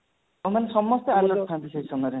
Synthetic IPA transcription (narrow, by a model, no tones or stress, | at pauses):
manesɔmːɔst̪eaɾlɔʈtʰant̪isesɔmɔjɾe